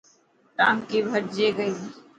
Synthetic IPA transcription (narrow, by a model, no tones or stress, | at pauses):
ʈaːmkiːbʱəɾd͡ʒeːɡəiː